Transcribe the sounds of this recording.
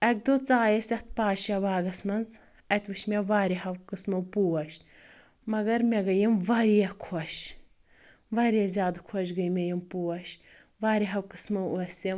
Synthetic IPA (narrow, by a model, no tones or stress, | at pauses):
ɐk̚d̪ot͡saːjɐsʲɐt̪̚paːʃɐʋaːɡɐsmɐnz | ɐt̪ʲʋɨʃmeʋaːɾiɦɐwkɨsmɐwpuːwɐʃ | mɐɡɐɾmʲeɡɐjimʋɐɾjɐkʰɔʃ | ʋɐɾijɐzʲjaːd̪kʰɔʃ̬ɡɐjmʲejimpuːwɐʃ | ʋaːɾiɦɐwkɨsmɐwuɐsʲi